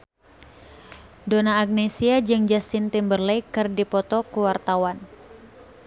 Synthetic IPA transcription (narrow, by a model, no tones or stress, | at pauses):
donaːɡ̚nesiad͡ʒɨŋd͡ʒast̪ɪnt̪imbərlɛjkɨrdipɔt̪ɔkuwart̪awan